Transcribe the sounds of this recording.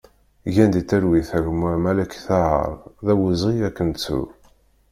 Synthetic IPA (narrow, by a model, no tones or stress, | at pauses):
ʝænd̪it̪ːæɾwiθæʝmʊʕmælækθaə̰ɾˤðæwəzˤʁiækːənt͡sːṵ